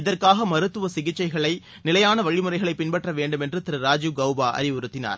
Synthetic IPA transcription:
ɪðɐrkaːɣɐmɐɾɯt̪ːɯʋɐsɪɣɪt͡ʃːɐɪɣɐɭɐɪ | nɪlɐjaːnɐʋɐɻɪmɯrɐɪɣɐɭɐɪpːɪnbɐʈrɐʋeːɳɖɯmɛndrɯt̪ɪɾɯɾaːd͡ʒuɡɐʊbaːʔɐ̰ɾɪʋʊɾɯt̪ːɪna̰ːɾ

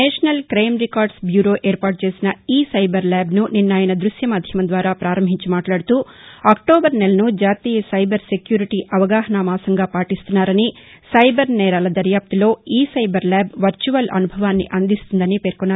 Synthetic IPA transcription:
nɛːʂɐnɐlkɾɐjmɾikaːɾɖsbjuːɾoːʔeːɾpaːʈ̚t͡ʃe̞ːsinɐiːsɐjbɐɾlaːbnuninːaːjɐnɐd̪ɾuʃjɐmaːd̪ʱjɐmɐnd̪ʋaːɾaːpɾaːɾɐmbʱiɲt͡ʃimaːʈlaːɽut̪uː | ɐːk̚ʈoːbɐɾnelɐnud͡ʒaːt̪iːjɐsɐjbɐɾse̞kjuːɾiʈiʔɐʋɐɡaːɦɐnaːmaːsɐŋɡaːpaːʈist̪unːaːɾɐni | sɐjbɐɾnɛːɾaːlɐd̪ɐɾjaːp̚t̪ulo̞ːiːsɐjbɐɾlɛːbʋɐɾt͡ʃuʋɐlʔɐ̰nubʱɐʋaːnːḭʔɐnd̪ist̪und̪ɐnipe̞ːɾkunːaːɾ

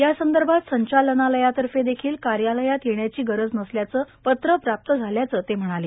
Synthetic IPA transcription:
jasənd̪əɾbʱat̪səɲt͡ɕalənaləjat̪əɾfed̪ekʰiːlkaɾjaləjat̪jeɳjat͡ɕiːɡəɾəd͡znəsljat͡səːpət̪ɾəpɾap̚t̪əd͡zʱaljat͡səːt̪em̤əɽ̃aleː

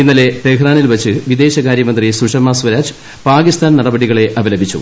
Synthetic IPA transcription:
inːɐle̞t̪ekraːnilʋɐt͡ɕːɨʋid̪e̞ːɕɐkaːɾjɐmɐnd̪risuʂɐmaːsʋɐɾaːd͡ʑɨ̥ | paːkist̪aːnnɐɽɐbɐɽiɣɐɭe̞ʔɐbɐlɐbʱit͡ɕːṵ

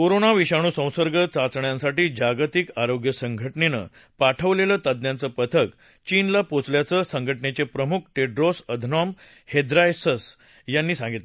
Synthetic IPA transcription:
koɾonaʋiɕaɽ̃uːsə̃w̃səɾɡət͡sat͡sɳjãnsaʈiːd͡ʑaɡt̪ikaɾoɡjəsəŋɡʱəʈnenə̰ | paʈʰəʋleləːt̪ad̪njant͡səːpət̪ʰək | t͡ɕiːnlapot͡sljat͡səsəŋɡʱəʈnet͡ɕepɾəmukʰʈeɖɾosəd̪ʱnɔm | hed̪ɾajsəs | janːiːsãŋɡit̪le

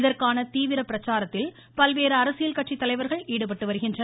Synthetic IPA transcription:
ɪðɐrkaːnɐt̪iːʋɪɾɐpɪɾɐt͡ʃːaːɾɐt̪ːɪl | pɐlʋeːɾɯɐɾɐsɪjɐlkɐʈ̚t͡ʃːit̪ːɐlɐɪʋɐɾɣɐɭiːɽɯpɐʈːɯʋɐɾɯɣɪndrɐ

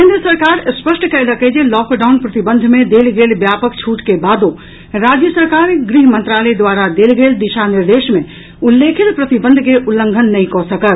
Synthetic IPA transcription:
kkẽnd̪ɾəsəɾkaːɾspəsʈkəeləked͡ʒelɔːkɖaʊnpɾət̪ibənd̪ʱmẽd̪elɡeːlbjaːpəkt͡ʃʰuːʈkebad̪õ | ɾad͡ʒjəsəɾkaːɾɡɾiɦmə̃nt̪ɾaːlɛd̪ʋaɾad̪eːlɡeːld̪iʃaniɾd̪eːʃmẽ | ulːekʰit̪pɾət̪ibə̃nd̪ʱkeʔulːə̃ŋɡʱənːɐɦĩkɔsəkət̪

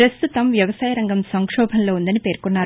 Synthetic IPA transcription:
ɾɐst̪ut̪ɐmʋjɐʋɐsaːjɐɾɐŋɡɐmsɐŋkʂɔːbʱɐnlo̞ːund̪ɐnipe̞ːɾkunːaːɾ

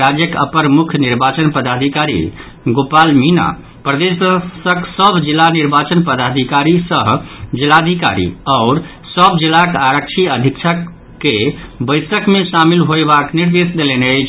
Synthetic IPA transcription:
ɾad͡ʒjəkə̰pəɾmukʰniɾbat͡ʃənpəd̪ad̪ʱikaɾḭ | ɡopalmina̰ | pɾəd̪essəksəbd͡ʒilːaniɾbat͡ʃənpəd̪ad̪ʱikaɾisəɦd͡ʒilad̪ʱika̰ɾḭɔʊɾ | səbd͡ʒilakaɾək̚t͡ʃʰiəd̪ʱikt͡ʃʰəkː | ebəjsəkmesamilɦoebakniɾd̪esd̪eleneət͡ʃʰ

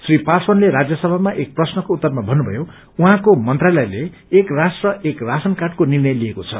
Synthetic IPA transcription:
sripaswʌnleɾad͡zjʌsʌbʱamaʔek̚prʌsnʌkout̪ːʌrmabʱʌnːubʱʌ̰jo | uɦãkomʌnt̪ralʌjleː | krasʈrʌekrasʌnkaʈkonirnʌjlijekot͡sʰʌ̰

